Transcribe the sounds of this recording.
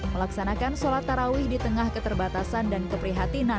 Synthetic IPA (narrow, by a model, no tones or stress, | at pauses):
məlaksanakansolat̪ːaɾawɪhdit̪əŋahkət̪ərbat̪asandankəpɾiɦat̪ina